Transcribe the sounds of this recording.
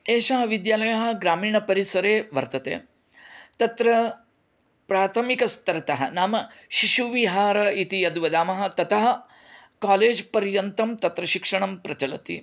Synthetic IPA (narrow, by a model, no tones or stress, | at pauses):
eːʃaɦɐʋid̪jaːlɐjɐɦɐ̆ɡɾaːmiːɳɐpɐɾisɐɾeːʋɐɾt̪ɐt̪ḛː | t̪ɐt̪ɾɐ | pɾaːt̪ʰɐmikɐst̪ɐɾɐt̪ɐɦɐ̰naːmɐʃiʃuʋiɦaːɾɐit̪ijɐd̪ʋɐd̪aːmɐɦɐ̆t̪ɐt̪ɐɦɐ | kaːleːd͡ʒpɐɾjɐnt̪ɐmt̪ɐt̪ɾɐʃikʂɐɳɐmpɾɐt͡ʃɐlɐ̰t̪ḭ